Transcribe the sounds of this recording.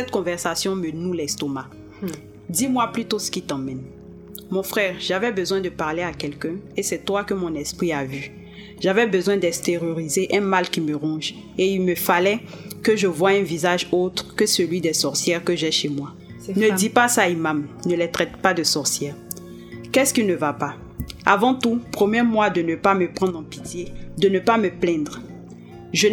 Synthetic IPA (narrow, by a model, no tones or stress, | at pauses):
sɛt̪kɔ̃vɛʁsasjɔ̃mənulɛst̪ɔma | d̪imwaplyt̪osə̥kʲit̪ɑ̃mɛn | mɔ̃fχɛːʁʒ̥avɛbəzwɛ̃d̪əpaʁleakɛlkɛ̃esɛt̪wakəmɔ̃nɛspχiavy | ʒ̥avɛbəzwɛ̃d̪ɛst̪eʁjoʁizeʔɛ̃malkʲiməʁɑ̃ʒ | eilməfalɛ | kəʒəvwaɛ̃vizaʒot̪χkəsəlɥid̪ɛsɔʁsjɛʁkəʒɛʃemwa | nəd̪ipasaimamnəlɛt̪χɛt̪pad̪əsɔʁsjɛːʁ | kɛskilnəvapa | avɑ̃t̪upχomɛmwad̪ənəpaməpχɑ̃d̪ʁɑ̃pit̪jed̪ənəpaməplɛ̃d̪ʁ | ʒə